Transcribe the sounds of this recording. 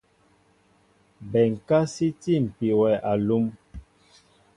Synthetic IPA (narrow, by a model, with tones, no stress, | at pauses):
bɛ˨ŋ̩˨ka˦si˦ti˦˨m̩˨pi˨wɛ˨ʔa˨lu˦m